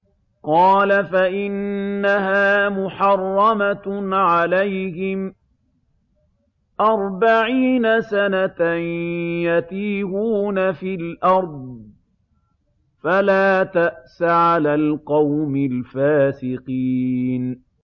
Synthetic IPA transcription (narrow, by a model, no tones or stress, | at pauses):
qɑːlafaʔɪnːaɦaːmʊħɑrˤːɑmaʕalajhɪm | ʔɑɾˤbaʕiːnasanat̪anjat̪iːhuːnafilʔɑɾˤd̪̚ˤ | falaːt̪aʔsaʕalaːlqɑwmɪlfaːsɪqiːn